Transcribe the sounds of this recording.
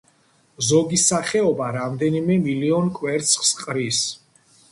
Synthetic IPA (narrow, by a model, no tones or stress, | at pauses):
zɔɡisaχɛɔbaɾamd̪ɛnimɛmiliɔnkʼwɛɾt̪sʰχsqʼɾis